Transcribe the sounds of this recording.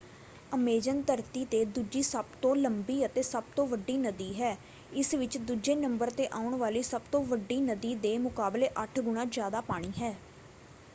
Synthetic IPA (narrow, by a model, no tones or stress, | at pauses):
əmeːd͡ʒənt̪əɾt̪iːt̪eːd̪uːd͡ʒiːsəbt̪õːləmbiːət̪eːsəb̚t̪õːʋəɖːiːnəd̪iːɦɛː | ɪsʋɪt͡ʃd̪uːd͡ʒeːnəmbəɾt̪eːʔaːʊɳʋaːliːsəbt̪õːʋəɖːiːnəd̪iːd̪eːmʊkaːbleːʔəʈʰɡʊɳ̃ãːd͡ʒjaːd̪aːpaːɽ̃iːɦɛː